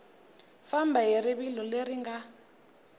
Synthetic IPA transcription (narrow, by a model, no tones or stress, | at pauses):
fambaɦiɾiβilɔleɾiŋɡa